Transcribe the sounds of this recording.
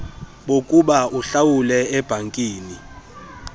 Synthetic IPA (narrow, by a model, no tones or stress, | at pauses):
ɓokʼuɓauɬawulɛɛb̥ʱaŋkʼiːni